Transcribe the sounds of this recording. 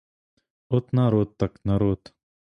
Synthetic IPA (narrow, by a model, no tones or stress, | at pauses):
ot̪naɾoːt̪ːaknaɾoːt̪